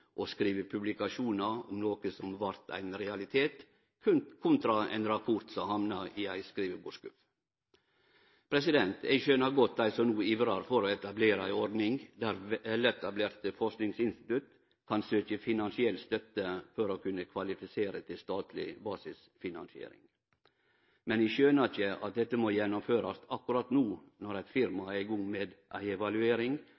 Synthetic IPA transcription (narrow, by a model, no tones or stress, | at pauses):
ʔɔskɾiːʋəpʰʉblɪkɑʂuːnɑɔmnoːkəsɔmʋɑɾt̪ʰæ̰ɪnɾɛɑlɪt̪ʰeːt̪ | kʰʉkʰʊnt̪ɾɑɛ̰ɪnɾɑpʰʊɾt̪sɔmhɑmnɑɪæɪskɾiːʋəboːʂkʉf | pʰɾɛsɪd̪ɛnt̪æ̰ɪʃøːnɑɾɡɔt̪̚d̪æɪsɔmnuːiːʋɾɑɾfɔɾɔɛt̪ɑbleːɾəæɪɔɾd̪nɪŋd̪æɾɛlːəɛt̪ɑbleːɾt̪əfɔɾʂknɪŋsɪnst̪ɪt̪ʉt̪ | kʰɑnsøːkəfɪnɑnsɪɛlt̪st̪œt̪ːəfɔɾokʰʉnːəkʰʋɑlɪfɪseːɾət̪ʰɪlst̪ɑːt̪ʰlɪ̰bɑːsɪs | fɪnɑ̰nsɪḛːɾɪ̰ŋ | mɛnæʃøːnɑçəʔɑ̰t̪̚d̪ɛt̪ːəmojɛnɔmføːɾɑsɑkʉɾɑt̪nuː | nɔɾæfɪɾmɑɛɡɔŋːmeːd̪ʔæ̰ɪɛʋɑlʉeːɾɪŋ